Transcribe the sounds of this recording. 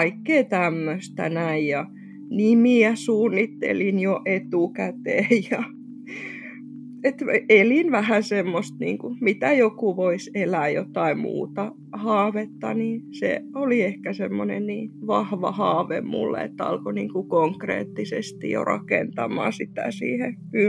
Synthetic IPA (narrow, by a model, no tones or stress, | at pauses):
ɑikːeːt̪æmːøst̪æ̰næijjɑ | nimiæsuːnːit̪ːḛlinjoʔet̪ukæt̪eːjjɑ | et̪elinʋæhæsemːost̪nḭːŋkumit̪æjokuʋoiselæːjo̰t̪ɑimṵːt̪ɑ | hɑːʋet̪ːɑ̰nisḛoliehkæsemːonḛnniːʋɑhʋɑ̰hɑːʋḛmmṵlːḛḛt̪ːɑ̰lkoniːŋkukoŋkrḛːt̪ːisest̪ḭjo̰rɑ̰kḛnt̪ɑmˑɑ̰ːsit̪æ̰sḭːheky